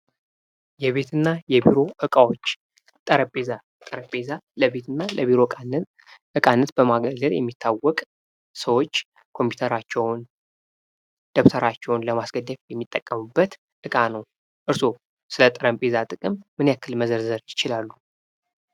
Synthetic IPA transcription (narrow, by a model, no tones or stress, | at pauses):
jɛβe̞t̪ʰɨnːajɛbiɾo̞ʔɨkʼawo̞t͡ʃː | t̪ʼəɾəpʼe̞za | t̪ʼəɾəpʼezaləβe̞t̪ɨnːaləβiɾo̞an | ʔɨkʼanːət̪b̥əmaɡəɡəljɛ̰mːit̪ʰːawɔkʼ | səwo̞t͡ʃː | kʰo̞mpʰi̥t̪ʰəɾat͡ʃːɛwn | d̪̥əβt̪ʰəɾat͡ʃːɛwunləmasɡəd̪əfjɛmːit̪ʼːəkʼːəmubːət̪ | ʔɨkʼanəw | ʔɨɾso | sɨlət̪ʼɨɾəmpʼe̞zat̪ʼɨkʼɨmːɨnjakʰːɨlməzəɾzəɾjɪt͡ʃɪlalːu